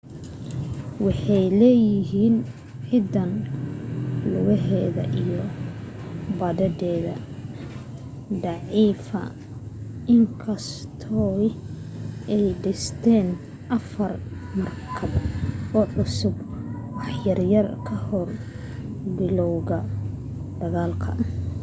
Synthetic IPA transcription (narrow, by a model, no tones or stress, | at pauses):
wɑħɑjlɛːjɪɦiːn | ʕɪd̪ɐn | lʊ̰ɣɐɦɛːðɐ̰ʔijɔ | bɐðɐd̪ɛːðɐ | d̪ɑʕiːfɐ̰ | ɪŋkʰɐst̪ʰɔː | ɛjɖɪst̪ʰɛːn | ʔɐfɐrmɐrkʰɐβɔːʕʊsʊbwɑħjɐrjɐrkʰɐhɔr | bɪlɔwɣɐ | d̪̥ɐɣaːlkʰɐ̰